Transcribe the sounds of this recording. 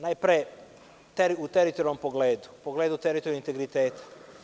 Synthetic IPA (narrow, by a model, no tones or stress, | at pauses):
najpɾe | t̪eɾiut̪eɾit̪oɾompoɡleːd̪u̥poɡleːd̪ut̪eɾit̪oɾjuint̪eɡɾit̪eːt̪ʰḁ